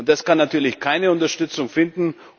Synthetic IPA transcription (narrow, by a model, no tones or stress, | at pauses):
ʊntd̥askanːatʰyːɐlɪçkʰaɪnəʊntɐʃtʏt͡sʊŋfɪndn̩